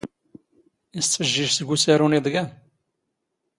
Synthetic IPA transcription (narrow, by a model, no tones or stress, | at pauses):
ist̪ːəʒːiʒsəɡʷusaɾuniðˤɡæn